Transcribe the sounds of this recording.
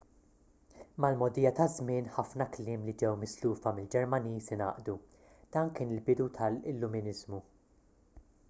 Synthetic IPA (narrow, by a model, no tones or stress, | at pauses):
mɐlmɔd̪ɪjɐt̪ɐzmɪːnħɐfnɐklɪːmlid͡ʒɛwmɪsluːfɐmɪld͡ʒɛɾmɐniːsinɐ̰ːʔd̪u | d̪̥ɐːnkɪːnɪlbɪd̪ut̪ʰɐlɪlːʊmɪnɪzmu